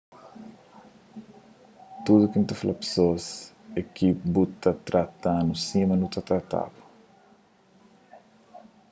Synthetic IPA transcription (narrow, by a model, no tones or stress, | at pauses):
t̪ud̪ukinut̪ɐflapsos | ekibut̪ɐt̪ɾɐt̪anusimɐnut̪ɐt̪ɾɐt̪a̰bu̥